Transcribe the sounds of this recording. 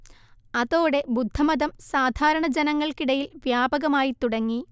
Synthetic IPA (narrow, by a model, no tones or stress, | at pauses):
ɐðo̞ːɽe̞bud̪ʱːɐmɐðɐmsaːd̪ʱaːɾɐɳɐd͡ʑenɐŋːɐɭkiɽɐjilʋjaːbɐɣɐmaːjit̪uɽɐŋːi